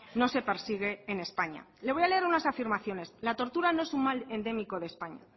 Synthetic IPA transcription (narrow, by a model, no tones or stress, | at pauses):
no̞se̞pe̞ɾsiɣ̞e̞ːne̞spaɲa̰leβo̞jale̞eɾunasafiɾmaθjo̞ne̞slat̪o̞ɾt̪uɾano̞e̞suŋmale̞nd̪e̞miko̞ðespaɲa̰